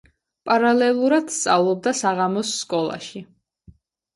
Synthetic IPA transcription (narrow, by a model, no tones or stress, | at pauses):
pʼaɾalɛlˠuɾad̪̥st̪sʼavlˠɔb̚d̪asaʁamɔsːkʼɔlˠa̰ʃi